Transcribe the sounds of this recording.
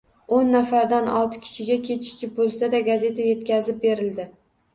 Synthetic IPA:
onːafaɾd̪anɒ̰lˠt̪ʰɪ̥kʲʰɪ̥ʃɪɡʲakʲʰe̞t͡ʃʰɪ̥kʲɪp̚bolˠsad̪aɡaze̞t̪ʰaje̞t̪kʲazɪp̚be̞ɾɪld̪ɪ

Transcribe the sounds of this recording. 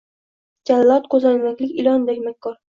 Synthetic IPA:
d͡ʒʲalːɒt̪qʰozanmakʲlɪkʲɪlɒnd̪akʲmakʲʰːɒɾ

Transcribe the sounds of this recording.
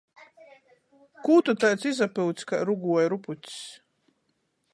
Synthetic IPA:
kuːt̪ut̪ajt̪sizapɨwt̪skaɾuɡuɔjɾuput̪ʲs

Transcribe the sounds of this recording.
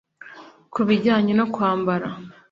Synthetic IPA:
kuβiɟaːɲenokwaːmbaɾa

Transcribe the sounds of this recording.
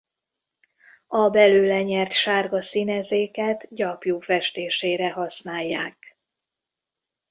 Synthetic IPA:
ɒbɛløːlɛɲɛrt̪ʃaːrɡɒsinɛzeːkɛt̪ɟɒpjuːfɛʃt̪eːʃeːɾɛɦɒsnaːjːaːk

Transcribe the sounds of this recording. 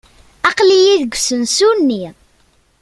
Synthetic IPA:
ɑqlijiðəɡʷsənsunːi

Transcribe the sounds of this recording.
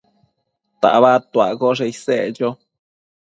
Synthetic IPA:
t̪a̰ʔβat̪uaɡoʐeised͡ʒo

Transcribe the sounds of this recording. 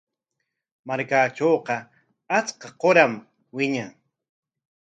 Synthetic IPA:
maɾkaːʈ͡ʂoːqɑ | at͡skɑqoɾam | wɪɲaŋ

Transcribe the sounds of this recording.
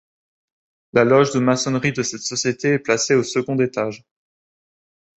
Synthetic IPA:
lalɔʒd̪əmasɔnʁid̪əsɛt̪sɔsjet̪eɛplaseosəɡɔ̃d̪et̪aʒ

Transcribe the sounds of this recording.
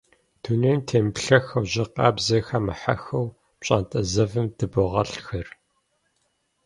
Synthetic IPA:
d̥ʰuneːntʰeːmpɬɐxɐwʑɪqɑ̰ːbzɐxɐmɐħa̰xɐw | ɕʼa̰ːntʼɐzɐvɨmd̥ɨbɨʁɐɬxɐr

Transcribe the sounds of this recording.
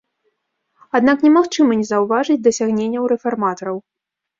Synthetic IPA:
ad̪naknʲɛmaxt͡ʂɨmɐnʲɛzɐwvaʐɨd͡zʲd̪ɐsʲaɣnʲenʲːɐwɾɛfarmat̪ɐɾɐw

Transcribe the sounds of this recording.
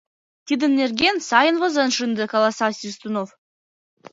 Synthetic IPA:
t̪ʲid̪ɘ̆nːerɡʲensɑjənvɤ̆zə̆nʂɨnd̪ɘ̆kɑlˠɑsɑsʲist̪unof

